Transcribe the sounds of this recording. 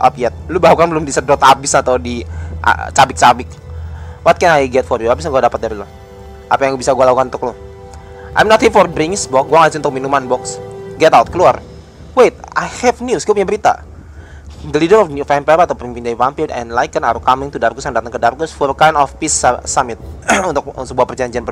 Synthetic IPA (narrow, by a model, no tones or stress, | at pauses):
ʔɔ̰pjɛt̪̚lubaukanbəlʊmdisədɔt̪abɪsat̪awdiʔa̰t͡ʃabɪk̚t͡ʃabɪk̚ | wɔt̪̚kɛnajɡɛt̪̚fɔrjuabisaɡuadapət̪̚daɾilʊ | ʔa̰pajaŋbisaɡualakukanunt̪ʊklʊh | ʔa̰jmnɔt̪hifɔrbɾɪŋsbɔkɡuaŋasɪunt̪ʊk̚minumanbɔksɡɛt̪awt̪̚kəluar | wet̪̚a̰jhɛvnjusɡuapuɲabəɾit̪a̰ | dəlidəɾɔffɛmpɛɾat̪awpəɾimpindaivampidɛ̰nlajkənaɾukamɪŋt̪udarɡʊsjaŋdat̪əŋkədarɡʊsfɔrəkajndɔfpisasamɪt̪̚unt̪ʊk̚səbuahpərd͡ʒaɲd͡ʒianp